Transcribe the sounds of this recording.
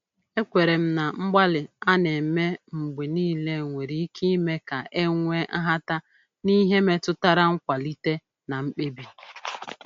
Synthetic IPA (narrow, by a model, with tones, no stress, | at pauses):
e˦kʷe˨ɾe˨m̩˦na˨ŋ͡m̩˦ɡ͡ba˦lɪ˨a˦ne˨me˦ŋ͡m̩˨ɡ͡be˨niː˦le˦˨ŋʷe˨ɾi˨i˦ki˦me˦ka˨ʔe˦ŋʷe˦a˦ɦa˦ta˦ | ni˦ɦe˦me˦tʊ˦ta˦ɾa˦ŋ̩˦kʷa˨li˦te˦ | na˨ŋ͡m̩˦k͡pe˦bi˦